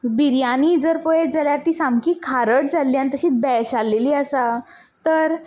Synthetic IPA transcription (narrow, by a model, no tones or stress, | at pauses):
biɾjaniːd͡zəɾpɔjeʈ̚d͡zaljaɾt̪iːsamkiːkʰaɾəʈd͡zalːjãnt̪əɕiːt͡sbɛɕalːeliːəsa | t̪əɾ